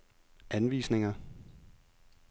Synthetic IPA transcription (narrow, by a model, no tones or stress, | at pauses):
ænʋḭːsne̝ŋɐ